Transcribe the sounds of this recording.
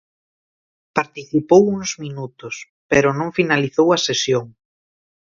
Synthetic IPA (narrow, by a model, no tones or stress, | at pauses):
paɾt̪iθipowuŋzminut̪ʊs | peɾʊnõŋfinaliθowɐsesjoŋ